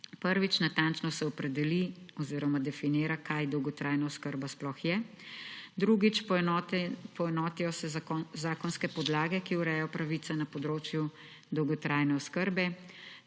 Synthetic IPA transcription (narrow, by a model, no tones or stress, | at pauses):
pəɾʋit͡ʃnat̪ant͡ʃnɔsɛɔpɾɛd̪ɛliɔziːɾɔmad̪ɛfiniːɾakajd̪ɔwɡɔt̪ɾaːjnaɔskəɾbasplɔxjɛ | d̪ɾuɡit͡ʃp | pɔɛnɔːt̪ijɔsɛzaːkɔnskɛpɔd̪laːɡɛkiuɾɛjɔpɾaʋisanapɔd̪ɾoːt͡ʃju | d̪ɔwɡɔt̪ɾajnɛɔskəɾbɛ